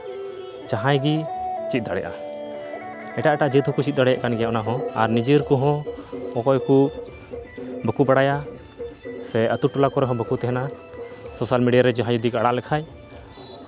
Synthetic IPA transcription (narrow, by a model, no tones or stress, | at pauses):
d͡ʒaɦãjɡit͡ʃit̪̚ˀd̪aɽɛ̰jʔa̰ | ɛʈaʔɛʈaʔd͡ʒət̪ɦɔkut͡ʃit̪̚d̪aɽɛjaʔkanɡɛjaʔɔnaɦɔ̃aɾnid͡ʒiɾkɔɦɔ̃ɔkɔjku | bəkubaɽaja | sɛʔət̪uʈulakɔɾɛɦɔ̃bəkut̪ɛɦɛna | sɔsalmiɖijaɾɛd͡ʒaɦãjud̪ikaɽaʔlɛkʰaj